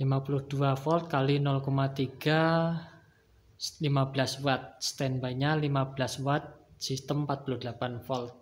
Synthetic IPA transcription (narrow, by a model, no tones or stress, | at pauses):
limapulʊhd̥uafɔlt̪̚kalinɔlkɔmat̪iɡ̥a | limablaswat̪̚st̪ɛnbaɲalimabəlaswat̪̚sist̪əmpat̪̚pulʊhd̪əlapanfɔlt̪̚